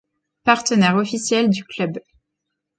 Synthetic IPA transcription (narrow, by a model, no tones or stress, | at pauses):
paʁt̪ənɛʁɔfisjɛld̪yklœb